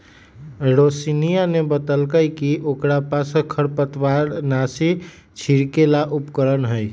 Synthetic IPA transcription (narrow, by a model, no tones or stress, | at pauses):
ɾosinijanebət̪əlkəjkiʔokɾapaskʰəɾpət̪waɾnasi | t͡ʃʰiɾkelaʔupkəɾənɦəj